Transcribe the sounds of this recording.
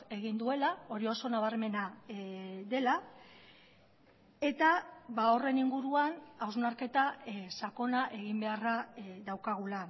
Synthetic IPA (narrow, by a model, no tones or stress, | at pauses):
e̞ɣind̪ue̞lao̞ɾio̞so̞naβ̞aɾme̞na | ðe̞la | e̞t̪aβao̞re̞niŋɡuɾuanawznaɾke̞t̪asako̞naʔe̞ɣ̞imbe̞araðawkaɣ̞ula